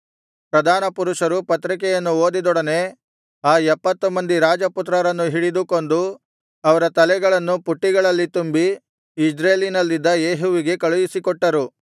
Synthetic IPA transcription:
pɾɐd̪ʱaːnɐpuɾuʂɐɾupɐt̪ɾik̬ɛjɐnːuo̞ːd̪id̪ɔɽɐne̞ | aːɛpːɐt̪ːumɐnd̪iɾaːd͡ʒɐput̪ɾɐɾɐnːuɦiɽid̪uko̞nd̪u | ɐʋɐɾɐt̪ɐlɛɡɐɭɐnːupuʈːiɡɐɭɐlːit̪umbiː | d͡ʒɾeːlinɐlːid̪ːɐjeːɦuʋiɡe̞kɐɭujisikɔʈːɐɾu

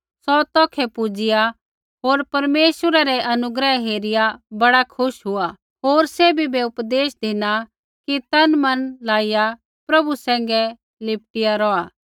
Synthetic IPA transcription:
sɔt̪ɔːkʰɛpʊd͡ʒɪja | ɦoːɾpɐɾmeːswɾaɾɛʔɐnʊɡɾəɦeːɾɪjabɐɽakʰʊʃɦʊa | ɦoːɾsebʱibeʊpd̪eːsd̪ɪna | kit̪ɐnmɐnlaːɪja | pɾɐbusɛ̃ːŋ̆ɡɛ | lɪp̚ʈɪjaɾɔːaː

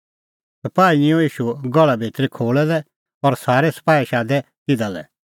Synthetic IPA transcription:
sɐpaːiĩõiːʃuɡɔɭabʱiːt̪ɾikʰoːɭɛlɛ | ɔɾsaːɾɛsɐ̥paːiʃaːd̪ɛ | k̪ɪd̪alɛ̰

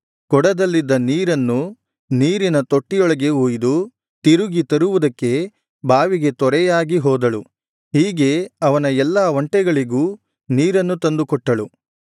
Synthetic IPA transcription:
kɔɽɐd̪ɐlːid̪ːɐniːɾɐnːu | niːɾinɐt̪o̞ʈːijɔɭɐɡe̞uːjd̪u | t̪iɾuɡit̪ɐɾuʋud̪ɐkːe̞ | bʱaːʋiɡe̞t̪ɔɾɛjaːɡiɦɔːd̪ɐɭu | ɦiːɡe̞ɐʋɐnɐɛlːaːʋɐɳʈɛɡɐɭiɡuː | niːɾɐnːut̪ɐnd̪ukɔʈːɐɭu

